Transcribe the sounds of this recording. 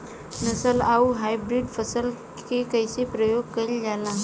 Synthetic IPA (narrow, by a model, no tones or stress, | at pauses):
nɐsəlaːuɦaːibɾɪɖpʰəsəl | kekɐɪsepɾəjoːɡ̚kɐɪld͡ʒaːnaɦ